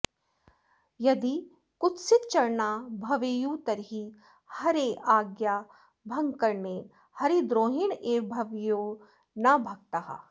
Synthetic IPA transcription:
jɐd̪i | kʊt̪sɪt̪̚t͡ʃɐɾnaːbʱɐʋejut̪ɐɾɦi | hɐɾeʔaːɡjaː | bʱɐ̃ŋɡkɐɾne | hɐɾed̪ɾoːɦɪɳeːbʱɐʋjoː | nɐbʱɐɡ̚t̪aɦa̰

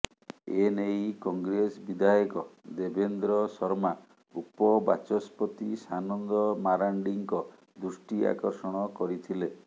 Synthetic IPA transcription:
enejkɔŋɡɾesɔbid̪ʱajɔkɔd̪ebend̪ɾɔsɔɾma | upɔbat͡ʃɔspɔt̪isanɔnd̪ɔmaɾaɳɖiŋkɔ | d̪ɾusʈia̰kɔɾsɔɽ̃ɔkɔɾit̪ʰile

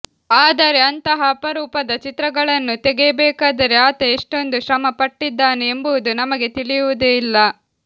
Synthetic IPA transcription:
aːd̪ɐɾe̞ɐnt̪ɐɦɐːpɐɾuːpɐd̪ɐt͡ʃit̪ɾɐɡɐɭɐnːut̪ɛɡebɛːkaːd̪ɐɾeaːt̪ɐiʂʈo̞nd̪uʃɾɐmɐpɐʈːid̪ːaːneːmbuʋud̪unɐmɐɡe̞t̪iɭijuʋud̪eilːɐ

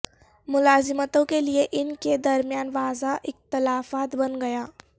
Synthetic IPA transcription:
mʊlaːzɪmət̪õkelieʔɪnked̪ɐɾmjaːnʋaːzaʔɪxt̪ɪlaːfaːt̪bɐnɡɐjaː

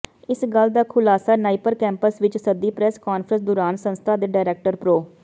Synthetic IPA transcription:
ɪsɡəld̪aːkʰʊlaːsaːnaːipəɾkɛ̃ːmpəsʋɪt͡ʃsəd̪iːpɾɛːskaːnfʰɾə̃nsd̪ʊɾaːnsə̃nst̪ʰaːd̪eːɖaːɪɾɛːk̚ʈəɾpɾoː

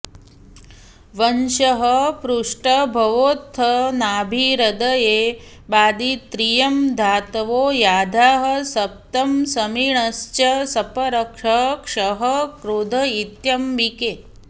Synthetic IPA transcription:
ʋɐnʃɐɦɐpɾuʂʈɐbʱɐʋoːt̪ʰːɐnaːbʱiɾɐd̪ɐjeː | baːd̪it̪ɾijɐmd̪ʱaːt̪ɐʋoːjaːd̪ʱaːɦɐ̆sɐp̚t̪ɐmsɐmiɳɐst͡ʃɐsɐpɐɾɐkʂɐkʂɐɦɐkɾud̪ʱɐit̪jɐmʋikeː

